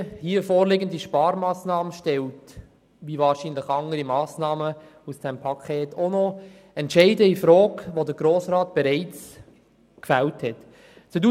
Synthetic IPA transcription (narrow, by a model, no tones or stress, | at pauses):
hiːəfoːɾlɪɡəndiʃpɑːɾmɑːsnɑːmənʃtɛlt | ʋivɑːɾʃiːnləχɑŋəɾimɑːsnɑːmə | usd̥ɛmpʰɑkʰeːtʰonɔ | ɛntʃɛɪdəifɾɔːkʋodəɾɡɾoːsɾɑːt̚b̥ɛɾɛɪt͡s | kfæwthɛt | t͡sudu